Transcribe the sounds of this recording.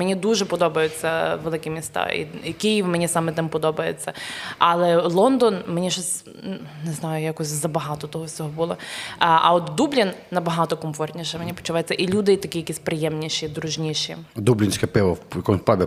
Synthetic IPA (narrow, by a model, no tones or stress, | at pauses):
menʲid̪uʒɛpɔd̪ɔbɐjʊt͡sʲːɐʋelˠɪkɪmʲist̪ɑ̰ḭikɪjiʋmenʲisɑmɛt̪ɪmpɔd̪ɔbɐjḛt͡sʲːɐɐlˠɛlˠɔnd̪ɔnmenʲiʒɔsʲ | neznɑjʊjakɔsʲzɐbɐɦɑt̪ɔt̪ɔɦɔwsʲɔɦɔbʊlˠɔʔɐ̰ɔt̪d̪ublʲinnɐbɐɦɑt̪ɔkɔmfɔrt̪ʲnʲiʃɛmenʲipɔ̥t͡ʃʊʋajɪɛt͡sʲːɐʔilʲud̪ɪt̪ɐkʲijɐkʲisʲpɾɪjɛmnʲiʃid̪ɾʊʒnʲiʃḭd̪ublʲɪnʃkɐpʲɛʋɐkɔnpabʲɪ